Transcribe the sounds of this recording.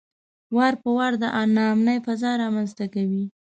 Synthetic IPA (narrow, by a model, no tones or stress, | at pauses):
waɾpəwaɾd̪əʔanɑːmnəjfazɑɾɑmanzt̪akawi